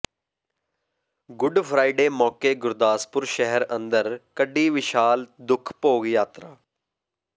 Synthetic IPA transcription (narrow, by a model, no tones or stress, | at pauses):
ɡʊɖpʰɾaːiɖeːmɔːkeːɡʊɾd̪aːspʊɾʃɛɦɛɾə̃nd̪əɾkəɖiːʋɪʃaːld̪ʊkʰpoːɡjaːt̪ɾaː